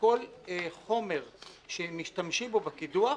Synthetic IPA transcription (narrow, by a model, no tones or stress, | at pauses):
ko̞lχo̞me̞ʁ | ʃemiʃtamʃimbobakidua